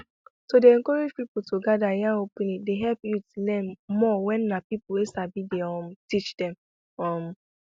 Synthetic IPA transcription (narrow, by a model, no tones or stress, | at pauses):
todeɛ̃ŋkɔɾed͡ʒpipʊtʰoɡadajaopunideɦɛpjutlɛmmɔwɛ̃nnapipʊesabideɔm̩tit͡ʃd̥ɛm | ɔm̩